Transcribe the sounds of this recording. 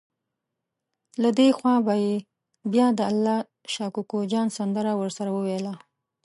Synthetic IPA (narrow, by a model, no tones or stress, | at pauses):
lad̪exwɑbaje | bjɑd̪əalːɑ | ʃɑkukod͡ʒɑnsand̪əɾawəɾsaɾawəwela